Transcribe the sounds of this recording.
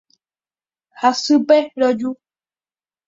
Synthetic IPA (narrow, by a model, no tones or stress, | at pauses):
hasɨpeɾod͡ʒu